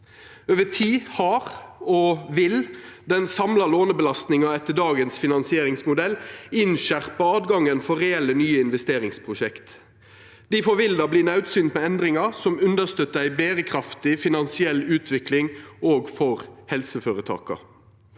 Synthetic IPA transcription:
øːʋət̪ʰiːhɑʁoʋɪld̪ɛnsɑmlɑloːnəbəlɑst̪nɪŋɑɛt̪ːəɖɑːɡənsfɪnɑnsɪeːɾɪŋsmʊd̪ɛlːɪnʃæʁpɑɑːd̪ɡɑŋənfɔʁɛɛlːənyːəɪnʋɛst̪eːɾɪŋspʰʁʊʃɛkt̪ | d̪̥iːfɔɾʋɪld̪ɑbliːnɑʉt̪syːnt̪mɛɛnd̪ɾɪŋɑsɔmʉnd̪əst̪øt̪ːəæɪbeːɾəkʰʁɾɑft̪ɪfɪnɑnsɪɛlːʉːt̪ʰʋɪklɪŋoːɡfɔʁhɛlsəføːɾət̪ʰɑ̰ːkɑ̰

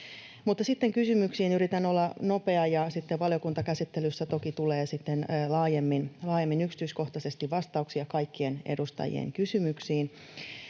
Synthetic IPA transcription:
mut̪ːɑsit̪ːeŋkysymyksiːnyɾit̪ænolːɑnope̞ɑjɑsit̪ːeʋʋɑljo̞kunt̪ɑkæsit̪ːelysːæt̪o̞kit̪uleːsit̪ːenlɑːjemːinlɑːjemːinyksi̥t̪yisko̞ht̪ɑse̞st̪iʋʋɑst̪ɑuksiɑkɑikːienḛdust̪ɑ̰jḭḛŋkysymyksiːn

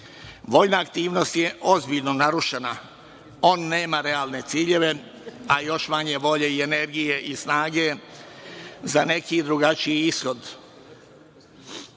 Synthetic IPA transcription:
ʋo̞jnaːkt̪iːʋno̞st̪je̞ʔo̞zbiʎno̞naɾuʃena | o̞ːnːe̞ːmaɾe̞aːlne̞t̪siːʎe̞ʋe̞ | ajo̞ʃmaɲe̞ʋo̞ʎe̞iene̞ɾɡije̞ʔisnaːɡe̞ | zane̞kid̪ɾuɡat͡ʃiiisxo̞d̪

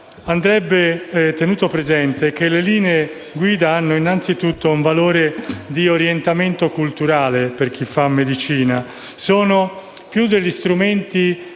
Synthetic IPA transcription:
and̪ɾɛbːet̪enuːt̪opɾezɛnt̪ek̟eleliːnee | ɡwiːd̪aanːoinːant̪sit̪ut̪ʰːouɱvaloːɾed̪ioɾjent̪ament̪okult̪uɾaːleperk̟ifːamːed̪it͡ʃiːna | soːno | pjud̪ːeʎːist̪ɾument̪i

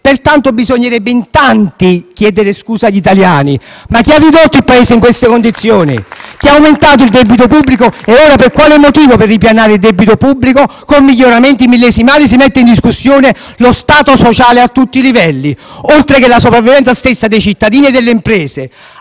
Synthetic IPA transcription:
pert̪ant̪obizoɲːeɾɛbːeint̪ant̪ik̟jɛːd̪eɾeskuːsaʎːit̪aljaːnimak̟ːiarːid̪ot̪ːoilpaeːseiŋkwest̪ekond̪it̪sːjoːnḭk̟iaːwment̪aːt̪oild̪ɛbit̪̬opubːlikoeoːɾaperkwaːlemːot̪iːvoperːipjanaːɾeɪild̪ɛbit̪opubːlikokomːiʎːoɾament̪imilːɛːsimaːlis̬imɛt̪ːeind̪iskusːjoːne | lost̪aːt̪osot͡ʃaːleat̪ːut̪ːilivɛlːiolt̪ɾekelasopɾavːivɛnt̪sast̪esːad̪ejt͡ʃit̪ːad̪iːnied̪elːeimpɾɛːse

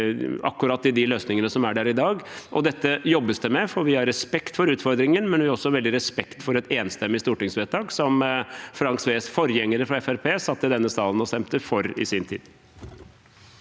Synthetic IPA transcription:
ɑ̰kːʉɾɑːt̪ːɪd̪ɪløːsnɪŋənəsɔmæɖæːɾɪd̪ɑːɡʔɔd̪ɛt̪ːəjɔbːəsd̪əmɛfɔɾʋɪhɑɾːɛspɛkt̪fɔɾʉːt̪fɔɾd̪ɾɪŋənmɛnʋɪɔsːɔʋɛld̪ɪɾɛspɛkt̪fɔɾɛt̪eːnst̪ɛmːɪst̪uːʈɪŋsʋeːt̪ʰɑːɡsɔmfɾɑŋksʋeːsfɔɾjɛŋːəɾəfɾɑɛfæɾpʰeːsɑt̪ːəd̪ɛnːəsɑːlənɔst̪ɛmt̪əfɔɾɪ̰sɪnt̪ʰḭːd̪̥

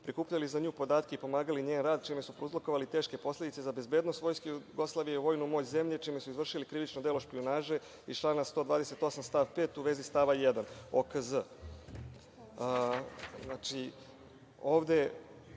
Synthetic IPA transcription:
pɾikuːpʎalizaɲuːpo̞d̪aːt̪keipo̞maːɡaliɲeːnɾaːd̪̚t͡ʃimesupɾouzlˠokoʋalit̪e̞ːʃke̞po̞slˠe̞d̪it̪sezabe̞zbe̞ːd̪no̞st̪ʋo̞jskejuuɡo̞slˠaʋijeʋo̞ːjnumo̞ːt͡ɕze̞mʎet͡ʃimesuizʋr̩ʃilikɾiʋit͡ʃnod̪elo̞ʃpionaːʒe̞ | it͡ʃlˠanast̪o̞d̪ʋaːd̪e̞se̞t̪o̞samst̪aːʋpe̞ːt̪uʋe̞zist̪aʋajed̪ano̰kəzə | znat͡ʃi | o̞ːʋd̪e̞

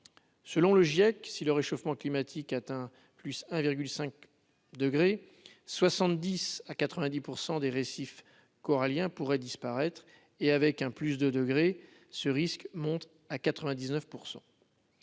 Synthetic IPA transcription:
səlɔ̃ləʒjɛksiləʁeʃofmɑ̃klimat̪ʰikat̪ɛ̃ | plysɛ̃viʁɡʲylsɛ̃k̚ | d̪əɡʁe | swasɑ̃t̪d̪isakat̪χəvɛ̃d̪ipuʁsɑ̃d̪eʁesif | kɔʁaljɛ̃puʁɛd̪ispaʁɛt̪χ | eavɛkɛ̃plys̬d̪əd̪əɡʁe | səʁiskmɔ̃t̪ | akat̪χəvɛ̃d̪iznœfpuʁsɑ̰̃

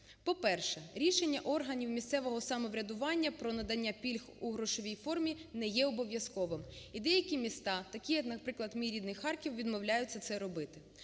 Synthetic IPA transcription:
pɔpɛrʃɛɾʲiʃe̞nʲːɐʔɔrɦɐnʲiwmʲist̪sɛʋɔɦɔsɐmɔʋɾʲɐd̪ʊʋɑnʲːɐpɾɔnɐd̪ɐnʲːapʲilʲxuɦɾɔʃɔʋʲijfɔrmʲinɛjɛɔbɔʋʲjɐskɔʋɪmid̪ɛjɐkʲimʲist̪ɑt̪ɐkʲijɐknɐpɾɪklˠɐd̪mʲiɾʲid̪nɪxːɑrkʲiwʋʲid̪mɔwlʲajʊt͡sʲːɐt̪sɛɾɔbɪt̪ɪ̥

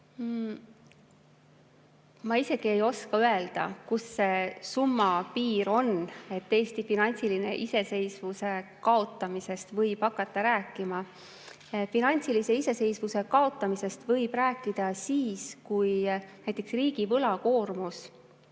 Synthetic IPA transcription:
mɑise̞ɡ̥ie̞jo̞skɑøe̞ld̪̥ɑ̰kusːesumːɑpiːɾo̞ne̞t̪ːe̞jst̪ifinɑnʲt̪siline̞̰ʔise̞se̞jsvuse̞kɑo̞t̪ˑːɑmise̞st̪vɤjb̥hɑkːˑɑt̪ˑːɑɾæːkˑːimɑ | finɑnʲtsilise̞ise̞se̞jsvuse̞kɑo̞t̪ːˑɑmise̞st̪vɤjb̥ræːkːˑid̪̥ɑsiːskujnæjt̪ːˑe̞ksriːɡ̥ivɤlɑko̞ːrmus

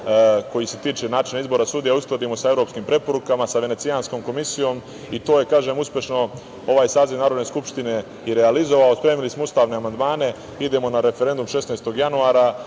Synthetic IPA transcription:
ko̞jise̞t̪iːt͡ʃe̞naːt͡ʃinaizbo̞ːɾasuːd̪ijausklad̪imo̞sae̞ʋɾo̞pskiːmpɾe̞po̞ɾukamasaʋe̞ne̞t̪siansko̞mko̞misijo̞ːm | it̪o̞ːje̞kaːʒe̞ːmuspʲje̞ʃno̞ | o̞ʋaːjsaːziʋnaːɾod̪ne̞skupʃt̪ine̞ | iɾe̞alizo̞ʋaospɾe̞ːmilismoust̪aːʋne̞amand̪maːne̞ | id̪e̞mo̞naɾe̞feɾe̞nd̪umʃe̞snajst̪o̞ɡjanuaːɾa

